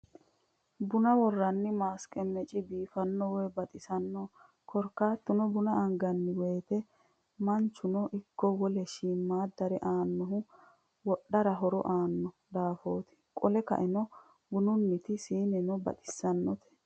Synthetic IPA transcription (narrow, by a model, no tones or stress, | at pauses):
bʊnɐwɔrːɐnːɪmaːskʼɛmɛt͡ʃʼɪbiːfɐnːɔwɛbɐt̪ʼɪsɐnːɔ | kʰɔɾkːaːt̪ːʊnɔbʊnɐʔɐŋɡɐnːɪweːt̪ɛ | mɐnt͡ʃːʊnɔʔɪkːɔwɔlɛʃiːmːaːd̪ɐɾɛʔaːnːɔɦʊ | wɔɗːɐɾɐɦɔɾɔ̰ʔaːnːɔ | d̪aːfo̞ːt̪ɪ̥kʼɔlɛkɐ̰ʔɛnɔ | bʊnʊnːɪt̪ɪsiːnɛnɔbɐ̰t̪ʼɪ̥sːɐnːɔt̪ɛ̥